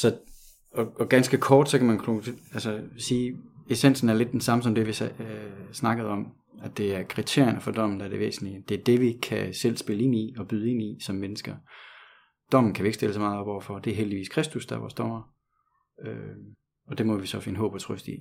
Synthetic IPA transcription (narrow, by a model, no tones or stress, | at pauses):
sɒ̽ | ɒ̽ɒ̽ɡ̥ænsɡ̥əkʰɒːd̥sɒ̽kʰæmænkʰoælsəsiːe̝sen̰sn̩æɐle̝d̥ːensɑ̈məs̬ɒ̽md̥eʋi | snɑ̈ɡ̥əð̞̩ˠɒ̽m | æd̥e̝æɐkʰʁit͡sʰe̝ɐ̰jənəfɒ̽d̥ɒ̽m̰n̩d̥ɑ̈ɐde̝ʋḛːsn̩lid̥e̝æɐd̥e̝ʋikʰæsel̰sb̥e̝ləe̝niɒ̽b̥yðˠe̝nisɒ̽mːenəsɡ̥ɐ | d̥ɒ̽m̰n̩kʰæʋie̝ɡ̥sd̥e̝ləsɒ̽mɑ̈ːð̩ˠɒb̥ɒʊ̰ɐfɒ̽d̥e̝ɐɦeldiʋḭːskʰʁɛsd̥usd̥ɑæʋɒ̰ːsd̥ɒm̰ɐ | ø | ɒ̽d̥e̝mɒ̽ʋisɒ̽fe̝nəɦɔ̰̽ːb̥ɒt͡sʰʁœsd̥ḭ